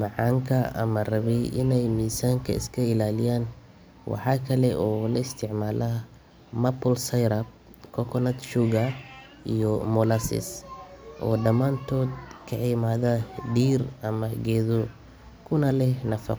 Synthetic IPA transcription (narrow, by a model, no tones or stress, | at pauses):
mɑʕɑːŋkʰɐɐ̰mɐrɐβɛjʔɪnɛjmiːsaːŋkʰɐ̰ɪ̰skʰɐɪlaːlɪjaːn | wɑ̰ħɑːkʰɐlɛʔɔːlɐɪst̪ʰɪʕmaːlɐ | mɐpʰɔlsɐjɾɐb̚ | kʰɔkʰɔnɐt̪ʃuɡɐ | ʔijɔmɔlɐsɪ̰sʔɔːɖɐmaːnt̪ʰɔːd̪kʰɐʕɪmaːðɐɖiːrɐmɐɡɛːðɔ | kʰʊnɐlɛnɐfɑ̰q